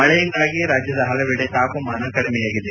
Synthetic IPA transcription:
mɐɭɐjɐnɡaːɡiɾaːd͡ʒjɐd̪ɐɦɐlɐʋiːɽet̪aːkumaːnɐkɐɽimɛjaːɡid̪e

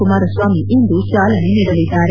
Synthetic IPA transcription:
umaːɾɐsʋaːmiʔind̪ut͡ʃaːlɐneniɽɐlid̪ːaːɾe

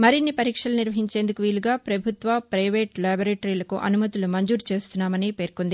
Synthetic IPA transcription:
mɐɾinːipɐɾiːkʂɐlɐniɾʋɐɦiɲt͡ʃe̞ːnd̪ukuʋiːluɡaːpɾɐbʱut̪ʋɐpɾɐjʋeːʈlaːboɾeːʈɐɾilɐkṵʔɐ̰numɐt̪ilumɐɲd͡ʒuːɾt͡ʃe̞ːst̪unːaːmɐniːpe̞ːɾkond̪i

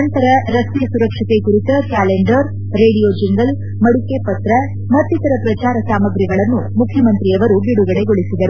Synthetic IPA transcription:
ɐnt̪ɐɾɐɾɐst̪ijɐsuɾɐkʂit̪ekuɾit̪ɐkaːleɳɖɐɾ | ɾe̞ːɽijoːd͡ʒiŋɡɐl | mɐɽuke̞pɐt̪ɾɐ | mɐt̪ːit̪ɐɾɐpɾɐt͡ʃaːɾɐsaːmɐɡɾiɡɐɭɐnːumukʰjɐmɐnt̪ɾijɐʋɐɾuɡiɽuɡɐɽe̞ɡoɭisid̪ɐɾu

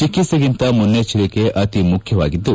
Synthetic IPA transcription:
t͡ʃikːit̪sɐɡint̪ɐmunːet͡ʃilikeʔʔɐt̪imukʰjɐʋa̰ːɡid̪ːu

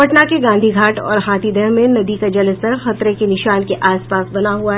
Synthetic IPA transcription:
ɐʈnakeɡãːnd̪ʱiɡʱaːʈɔ̰ːɾɦãːt̪id̪ʱɛɦmẽnɐd̪ikad͡ʒɐlt̪ɐɾxɐt̪ɾekenɪʃaːnkeʔaːspaːsbɐnaɦuaɦɛ

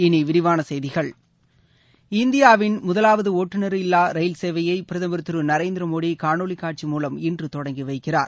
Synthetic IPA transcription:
ɪniʋɪɾɪʋaːnɐsɐjðɪɣɐɭ | ɪnd̪ɪjaːʋɪnmʊðɐlaːʋɐðɯoːʈːɯnɐɾɪlːaːɾɐɪlseːʋɐjɐɪpɪɾɐðɐmbɪɾɯt̪ːɯɾɯnɐɾeɪːnd̪ɪɾɐmoːɽikaːɳoːɭikːaːʈ̚t͡ʃimuːlɐmɪndrɯt̪ɔɽɐŋɡiʋɐɪkːɪra̰ːɾ

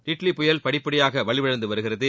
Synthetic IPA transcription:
ɾɪʈlipʊjɐlpɐɽɪpːɐɽɪjaːɣɐʋɐɭɪʋɐɻɐnd̪ɯʋɐɾɯɣɪrɐðɯ

